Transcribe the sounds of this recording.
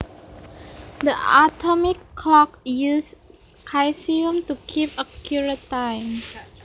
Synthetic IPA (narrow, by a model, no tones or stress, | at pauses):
dəʔatʰɔmɪkʰːlɔkjus | kʰajsiũmtukʰipəkʰjuɹətãɪm